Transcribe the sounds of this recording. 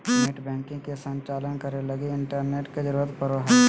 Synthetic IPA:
mɪʈbɛ̃ːŋkɪ̃ŋkesə̃ɲt͡ʃaːlənkəɾelɐɡeɪɳʈəɾneːʈked͡ʒəɾuːɾət̪pəɾʋəɦ

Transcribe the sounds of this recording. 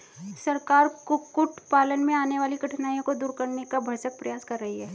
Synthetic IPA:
sɐɾkaːɾkʊkʊʈʰpaːlənmẽaːneʋaːlikɐʈʰnaːjõkod̪uːɾkɐɾnekabʱɐɾsək̚pɾɐjaːskɐɾːɐɦiɦɛː

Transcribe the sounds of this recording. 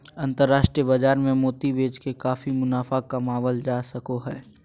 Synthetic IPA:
ɐ̃nt̪əɾːaːʃʈɾijəbɐd͡ʒaːɾmẽmoːt̪ibeːd͡ʒkekaːfimʊnaːfakɐmaːʋəld͡ʒaːsɐkoɦɛː

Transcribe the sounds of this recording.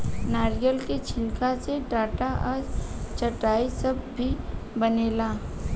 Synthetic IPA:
naːɾijəlket͡ʃʰɪlkaseɖaːʈaʔɔːɾt͡ʃɐʈaːisɐb̚ːʱibɐneːlaː

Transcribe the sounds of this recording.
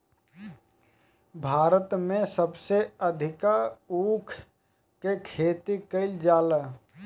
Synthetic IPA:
bʱaːɾət̪mẽsəbseəd̪ʱɪkaukʰ | kekʰet̪ikəɪld͡ʒalə

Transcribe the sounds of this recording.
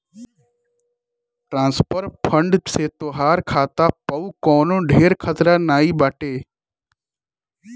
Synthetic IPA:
ʈɾãːnspəɾpʰəɳɖseːt̪oːɦaːɾkʰaːt̪aːpəuːkɔːnõːɖʱeːɾkʰət̪ɾaːnaːiːbaːʈeː

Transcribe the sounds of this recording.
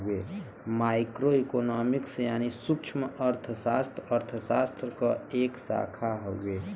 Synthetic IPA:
e | maːɪkɾoikoːnɔːmiksjaːnisʊkt͡ʃʰməʔəɾt̪ʰəsaːst̪ɾəɾt̪ʰəsaːst̪ɾəkɔeːksa̰ːkʰaɦoueː

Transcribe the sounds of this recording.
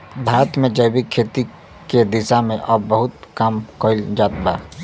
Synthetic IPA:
bʱaːɾət̪mẽd͡ʒəɪbikʰːeːt̪i | ked̪ɪsamẽʔɔːbəɦʊt̪kamkoːɪld͡ʒaːt̪baː

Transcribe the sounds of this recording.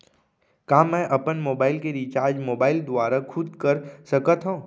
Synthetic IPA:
kaːmɛ̃ːʔɐpənmoːbaːɪlkeɾit͡ʃaːɾd͡ʒmoːbaːɪld̪ʋaːɾakʰʊd̪kəɾsɐkət̪ɦõ

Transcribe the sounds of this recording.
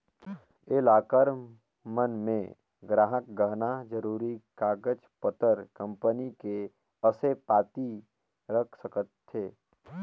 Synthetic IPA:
elaːkəɾ | mənmẽ | ɡɾaːɦək̚ɡəɦnad͡ʒəɾuːɾikaːɡəd͡ʒpət̪əɾkə̃mpənike | əsepaːt̪i | ɾəkʰsəkət̪ʰːeː

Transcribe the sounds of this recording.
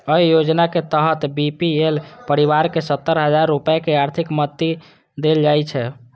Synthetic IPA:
əjjod͡ʒnaket̪əɦət̪bipielpəɾiβaɾkesət̪ːəɾɦəd͡ʒaɾːupjakeaɾt̪ʰikmət̪ːi | d̪eld͡ʒajt͡ʃʰɛ

